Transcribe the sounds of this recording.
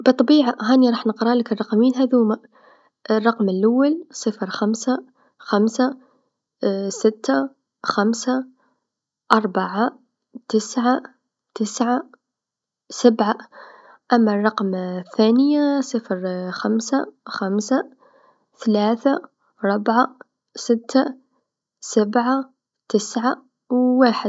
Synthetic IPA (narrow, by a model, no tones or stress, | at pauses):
bɨt̪ˤːɑbiːʕaɦaːniɾˤɑːħnəqɾˤɑːlɪkərˤːɑqmiːnɦaðuːma | ʔrˤːɑqmɪlʔawːalsˤɨfɾxamsa | xamsa | sɪt̪ːa | xamsa | ʔɑɾˤbaʕa | t̪ɪsʕa | t̪ɪsʕa | sabʕa | ʔæmːarˤːɑqmθanəjasˤəfɾxamsaxamsa | θlaːθa | ɾˤʊbʕa | sɪt̪ːa | sabʕa | t̪əsʕa | wwaːħə